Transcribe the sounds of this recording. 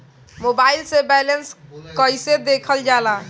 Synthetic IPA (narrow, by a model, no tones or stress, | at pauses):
mobailsebɛlenskəjsed̪ekʰəld͡ʒala